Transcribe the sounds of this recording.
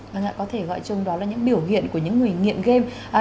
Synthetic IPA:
ə˧˩na̰ː˧˨kɔ˨˦t̪ʰe˧˩ɣɔ̰˧˨jt͡ɕʊ˨˧ŋ͡mɗɔ˨˦laː˨˩ɲɨ̰˧˥ŋɓi˧˩əwhḭ˧˨ənku˧˩əɲɨ̰˧˥ŋːɨ˨˩əjŋḭ˧˨ənɣe˧m | ʔaː˨

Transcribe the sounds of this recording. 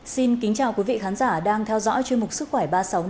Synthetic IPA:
si˧nkï˨˦ŋ̟t͡ɕaː˨˩wki˨˦vḭ˧˨xaː˨˦nzaː˧˩ɗaː˧ŋt̪ʰɛ˧wzɔ̰˧˥jt͡ɕwi˧ənmʊ˨˩k͡p̚sɨ˦˥kwɛ˧˩ɓaː˧sa˨˦w

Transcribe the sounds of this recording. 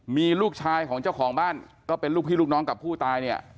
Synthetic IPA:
miː˧luː˥˩k̚t͡ɕʰaː˧jkʰɔː˩˦ŋt͡ɕaː˥˩wkʰɔː˩˦ŋbaː˥˩n | kɔː˥˩pe˧nluː˥˩k̚t̪ʰiː˥˩lu˥˩k̚nɔː˦˥ŋka˨˩pʰːuː˥˩t̪aː˧jni˥˩ɐ

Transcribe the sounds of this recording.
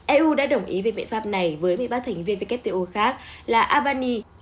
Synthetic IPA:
ʔɛ˧ʔu˧ɗa̰ː˧˥ɗə˨˩wŋ͡mʔḭ˨˦ve˨˩ɓḭ˧˨ənfaː˦˥p̚na˨˩jvəː˨˦jmi˨jɓaː˧˩t̪ʰa˨˩ŋ̟vi˧nvi˧˩kɛ˦˥p̚t̪e˧ʔo˧xaː˦˥k̚laː˨˩ʔaː˧ɓaː˧ni˧

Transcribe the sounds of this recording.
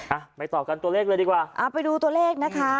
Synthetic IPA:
ʔa˧˩ma˥˩jt̪ɔː˨˩p̚ka˧nt̪u˧leː˥˩k̚lːjdiː˧kwaː˨˩ʔa˧˩pa˧jduː˧t̪u˧ɐleː˥˩k̚na˦˥kʰa˦˥

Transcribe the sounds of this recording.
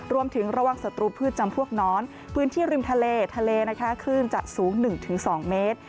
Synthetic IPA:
ɾu˧əmt̪ʰɯ˩˦ŋɾa˧waː˨˩ŋsa˨˩t̪ɾuː˧pʰɯː˥˩t̪̚t͡ɕa˧mpʰu˥˩ək̚nɔː˦˥n | pʰɯː˦˥nt̪ʰiː˥˩ɾi˧mt̪ʰa˧leː˧t̪ʰa˧leː˧na˦˥kʰa˦˥kʰɯː˥˩nt͡ɕa̰˨˩suː˩˦ŋnɯ˨˩ŋt̪ʰɯ˩˦ŋsɔː˩˦ŋmeː˦˥t̪̚

